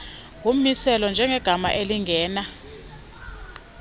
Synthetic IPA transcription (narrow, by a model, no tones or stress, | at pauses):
ɡʱum̩isɛlɔnd͡ʒʱɛŋɛɡ̥ʱama̰ʔeliŋɡʱɛːna